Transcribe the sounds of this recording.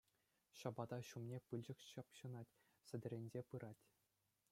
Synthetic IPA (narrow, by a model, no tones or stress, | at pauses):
ɕɑbɑd̪ɑɕumnʲepɯlʲd͡ʑɘ̆kɕɑpɕɯ̆nɑtʲ | sʲɘ̆dʲɘ̆ɾʲenʲzʲepɯɾɑtʲ